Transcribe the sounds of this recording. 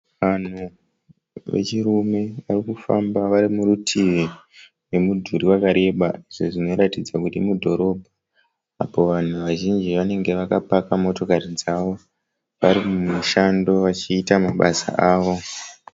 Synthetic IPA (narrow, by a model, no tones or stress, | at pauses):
ʋan̤u | ʋe̞̰t͡ʃirume̞ʋarikufambaʋaɾimuɾutʰiʋi | we̞mudʱuɾiwakaɾe̞ɓaiʐo̞ʐino̞ɾatid͡zakutimudʱo̞ɾo̞bʱaː | po̞ʋan̤uʋaʒind͡ʒiʋane̞ŋɡe̞ʋakapakamo̞to̞kaɾid͡zaʋo̞ | ʋaɾimumuʃando̞ʋat͡ʃiːtamaɓasa̰ʔaːʋo̞